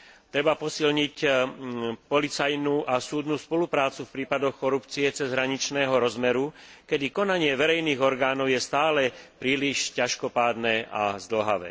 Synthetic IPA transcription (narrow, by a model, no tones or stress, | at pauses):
t̪ɾɛbapɔsilɲic | pɔlit͡sajnuːʔasuːd̪nuːspɔlupɾaːt͡sufpɾiːpad̪ɔxkɔɾupt͡siɛt͡sɛzɦɾaɲit͡ʃnɛːɦɔɾɔzmɛɾukɛd̪ikɔnaɲɪɛʋɛɾɛjniːɣɔɾɡaːnɔʊjɛst̪aːlɛpɾiːliʃcaʃkɔpaːd̪nɛːʔa̰zd̪l̩ɦa̰ʋɛ̰ː